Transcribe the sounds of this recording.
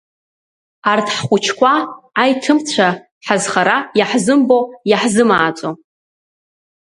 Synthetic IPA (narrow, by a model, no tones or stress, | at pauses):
artʰħχʷʊt͡ʃʰkʷʰaːjtʰɨmt͡ɕʷʰa | ħazχaɾajaħzɨmbojaħzɨmaːt͡sʷʼo